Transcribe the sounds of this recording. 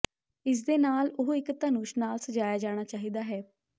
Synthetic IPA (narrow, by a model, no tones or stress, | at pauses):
ɪs̬d̪eːnaːlʊɦɪkt̪ənuːʃnaːlsəd͡ʒaːjaːd͡ʒaːɽ̃aːt͡ʃaːɦiːd̪aːɦɛː